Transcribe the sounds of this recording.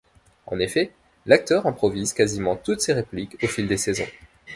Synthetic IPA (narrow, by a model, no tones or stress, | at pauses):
ɑ̰̃nefɛ | lak̚t̪œʁɛ̃pχɔvizkazimɑ̃t̪ut̪seʁeplikofild̪esezɔ̰̃